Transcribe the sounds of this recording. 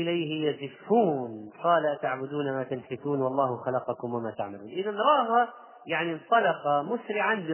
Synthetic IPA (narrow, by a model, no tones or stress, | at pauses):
ʔɪlajhɪjazɪfːuːnqɑːlaʔt̪aʕbʊd̪uːnamat̪alfɪθuːnwɑlˤːɑːhʊxalɑqɑkʊmwɪmat̪aʕmaluːnʔɪðanɾˤɑːha | jaʕnint̪ˤɑlɑqɑmʊsɾɪʕanbɪ